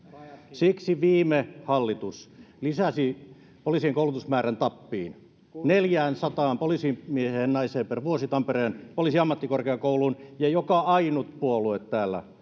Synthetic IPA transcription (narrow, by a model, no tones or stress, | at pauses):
siksiʋiːmehɑlːit̪uslisæsi | poliˑsieŋkoulut̪usmæːrænt̪ɑpːḭːn | neljæːnsɑt̪ɑːmpoliˑsimieheːnnɑiseːmperʋuosit̪ɑmpereːnpoliˑsiɑmːɑt̪ːikorkeɑkoulunjɑjokɑɑinut̪puoluet̪t̪æːlːæ̰